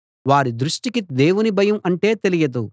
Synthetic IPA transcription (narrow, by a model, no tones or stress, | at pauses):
ʋaːɾid̪ɾuʂʈikid̪e̞ːwunibʱɐjɐmɐɳʈe̞ːt̪e̞lijɐd̪u